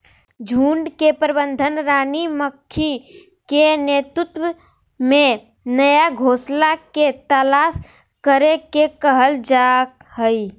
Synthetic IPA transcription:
d͡ʒʱuːɳɖkepɾəbənd̪ʱənɾaːniməkʰːi | kenet̪ɾut̪wə | mẽ | nəjaɡʱoslaket̪əlas | kəɾekekəɦəld͡ʒak | həi

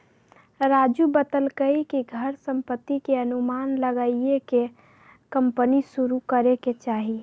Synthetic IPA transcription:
ɾad͡ʒubət̪əlkəikiɡʱəɾsə̃mpət̪ːikeənumanləɡaieke | kəmpənisuɾukəɾeket͡ʃaːɦi

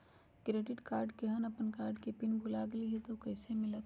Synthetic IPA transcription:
ɡɾeːɖɪʈkaːɾɖkeɦənɐpənkaːɾɖkepɪnbʱulaɡliɦɛt̪okɐːsemɪlət̪

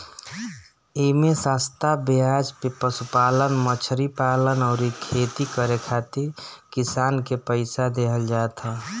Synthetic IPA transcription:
emẽsaːst̪ʰabiad͡ʒpepəsupaːlənmət͡ʃʰɾipaːlənɔːɾikʰeːt̪ikəɾekʰaːt̪iɾkisaːnkepəɪsad̪eɦəld͡ʒaːt̪ɦɛː

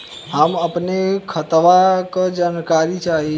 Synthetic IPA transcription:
ɦəməpnekʰət̪ʋakəd͡ʒankaɾit͡ʃaɦi

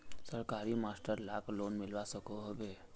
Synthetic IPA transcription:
səɾkaːɾimaːsʈəɾlaːkloːnmɪlwasəkoɦbeː

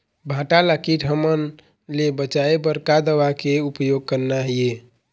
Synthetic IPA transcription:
bʱãʈaləkiʈʰɦəmən | lebət͡ʃaebəɾkad̪əʋakeupjoɡ̚kəɾnaɦie

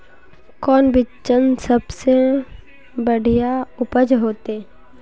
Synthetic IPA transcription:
kɔːnbɪt͡ʃːənsəbse | bəɽ̤ʱijaʊpəd͡ʒɦoːt̪eː

